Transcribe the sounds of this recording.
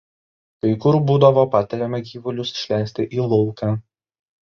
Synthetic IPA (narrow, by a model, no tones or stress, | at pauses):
kɐɪkʊɾbuːd̪ɐʋoːpɑːt̪ʲɛɾʲɛmʲɛɡʲiːʋʊlʲʊsʃʲlʲæˑɪsʲt̪ʲɪʔiːlˠɔʊkɑː